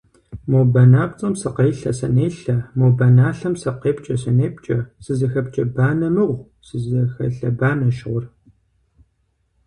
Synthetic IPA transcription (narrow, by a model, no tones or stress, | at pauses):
mowbɐnaːp̚t͡sʼɐmsɨqeːɬɐsɐ̰neːɬɐmowbɐnaːɬɐmsɐqeːp̚t͡ʃʼɐsɐneːp̚t͡ʃʼɐsɨzɐxɐpt͡ʃʼɐbaːnɐmɨʁʷ | sɨzɐxɐ̰ɬɐbaːnɐʃʁʷʊr